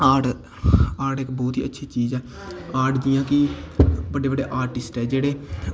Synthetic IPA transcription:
aːʈ | aːʈekbɔːt̪ɦḭːətːʃʰiːt͡ʃiːzɛː | aːʈd̪ɪjãːkɪbəɖeːbəɖeːʔaːɾʈɪsʈɛːd͡ʒeːɽeː

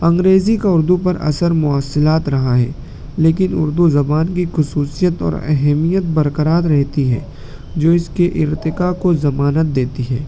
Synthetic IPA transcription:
ɐ̃ŋɡɾeːzikaʊɾd̪upɐɾɐ̰səɾmʊaːsːɪlaːt̪ɾɐɦaɦɛː | leːkɪnʊ̰ɾd̪uzɐbaːnkixʊsuːsijət̪ɔ̰ːɾɛ̰ɦɛmijət̪̚bɐɾkəɾaːt̪ɾɛɦt̪iɦɛ̰ː | d͡ʒoːɪskeʔɪɾt̪ɪkakozɐmaːnət̪̚d̪eːt̪iɦɛː

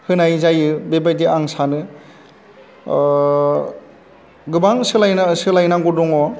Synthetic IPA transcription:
hɯnajzajɯbebajdiʔaŋsanɯ | ɡɯbaŋsɯlajnasɯlajnaɡɔdɔŋɔ

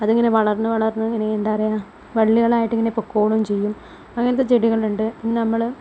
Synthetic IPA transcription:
ɐðiŋːɐne̞ʋɐɭɐrnɨʋɐɭɐrnːɨiŋːɐne̞end̪aɐrijaːm | ʋɐɭːiɣɐɭaːjiʈːiŋːɐnepːokːoːɭumt͡ɕe̞jːum | ɐŋːɐnɐt̪ːet͡ɕeɽiɣɐɭuɳɖɨinnɐmːɐɭ

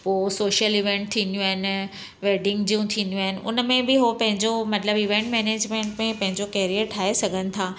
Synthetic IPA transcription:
poːsoːʃəliʋẽɳʈ̚t̪ʰiːnd̪jũaːɦɪnɪ | ʋeːɖɪ̃ŋɡd͡ʑiːũt̪ʰiːnd̪jũaːɦɪnɪ̆ʔʊ̰nmẽbɪɦopɐ̃ɦɪ̃ɲd͡ʑomɐt̪ləbɪʋẽːɳʈmɛːneːd͡ʑmẽːɳʈmẽpɐ̃ɦɪ̃ɲd͡ʑokɛːɾiəɾʈʰaːesɐɡʱənɪ̆t̪ʰaː

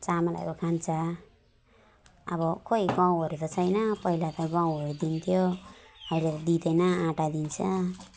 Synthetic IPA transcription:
t͡samala̰jkokʰant͡sʰʌ | ʌβʌkoiɡãw̃ʌɾut̪ʌt͡sʰʌjnʌpʌɦilat̪ʌɡãw̃ɦʌɾud̪int̪ʰjoʌjled̪id̪ʌjnʌãʈad̪int͡sʰʌ

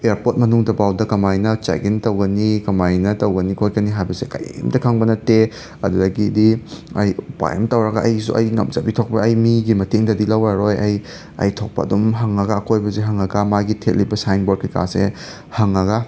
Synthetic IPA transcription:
eɾpot̚mɐnuŋdɐbawdɐkɐmajnɐt͡ʃa̰ɡintɐwɡɐnikɐmajnɐtɐwɡɐnikʰojkɐniɦajbɐsekɐ̰jamdɐkʰaŋbɐnɐte | ɐdudɐɡidiɐjupa̰jḛmtɐwɾɐɡaʔɐjsṵʔɐ̰jŋɐ̰mzabitʰok̚pɐːjmiɡimɐteŋdɐdilɐwaɾojɐj | ɐ̰jtʰok̚pɐ̰dumɦɐŋɐɡaːkojbɐzeɦɐŋɐɡɐmaɡitʰet̚libɐsajnboɾ̚kika̰sḛ | hɐŋɐɡa

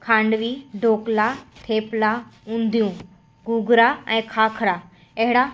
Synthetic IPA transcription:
kʰãːɳɖʋiɖʱoːklat̪ʰeːplaũːnd̪ijũ | ɡuːɡɾaɛ̃ːkʰaːkʰɾa | ɐɦɪɽa

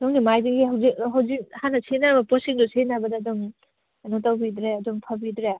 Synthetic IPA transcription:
dɔŋɡimajdiɡiɦawzikɦawzik̚hanːɐsʰenabɐposiŋdusʰenabɐdɐdɔŋ | ɐnuŋtawbidɾeɐduŋpʰɐbidɾe

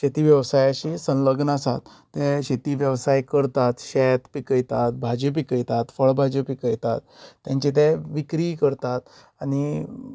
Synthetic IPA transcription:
ɕet̪iʋjəʋsajaɕisə̃nləɡnasa̰t̪ːɛɕet̪iːʋjəʋsajkəɾt̪at̪ɕɛt̪pikəjt̪at̪̚bʱad͡ʑəp̬ikəjt̪at̪fəɭbʱad͡ʑəpikəjt̪at̪ːjãɲt͡ɕet̪̬ɛʋikɾiːkəɾt̪at̪ | ani

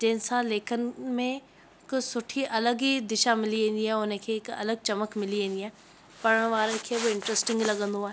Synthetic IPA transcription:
d͡ʒẽːnsaleːkʰənmẽ | ksʊʈʰiʔɐləɡid̪ɪʃamɪliɦẽːnd̪iɦɛ̃onẽkʰekɐ̰ləɡ̚t͡ʃɐməkmɪliɦẽːnd̪iɛ̃ː | pɐɽəɽ̃ʋaːɾəkʰeʋoɪ̃ɳʈɾəsʈɪ̃ŋɡlɐɡə̃nd̪ʱuãː

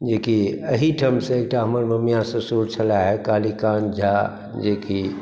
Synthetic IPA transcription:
d͡ʒekiəɦiʈʰəmsẽeːk̚ʈaɦəməɾməmjasẽsuɾt͡ʃʰəlaɦɛkaːlikaːnd͡ʒʱa | d͡ʒeki

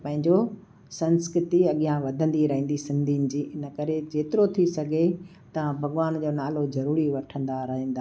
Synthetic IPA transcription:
pɐ̃ɦɪ̃ɲd͡ʑo | sɐ̃nskɾɪt̪iɐɠijãʋɐd̪ʱə̃nd̪iɾɐɦĩːn̆d̪isɪ̃nd̪ʱinɪ̆d͡ʑiːɪnə̆kɐɾed͡ʑeːt̪ɪɾot̪ʰisɐɡʱe | t̪ɐbʱɐɠʋaːnd͡ʑoːnaːlozɐɾuːɾiʋɐʈʰə̃nd̪aɾɐɦĩːnd̪aː

